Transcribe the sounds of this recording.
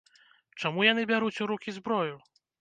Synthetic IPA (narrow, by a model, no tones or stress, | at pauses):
t͡ʂɔmujanɨbʲjaɾut͡sʲuɾukʲizbɾɔju